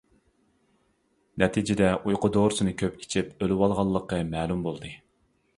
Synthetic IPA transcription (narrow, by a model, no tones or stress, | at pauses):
nɛt̪ʰid͡ʒɪd̪ɛʔujqʊd̪oɾɨsɨnɨkʲʰøpi̥t͡ʃʰipølɪwɑlˠʁɑlˠːəqːɑmɛːlˠumbolˠd̪ɨ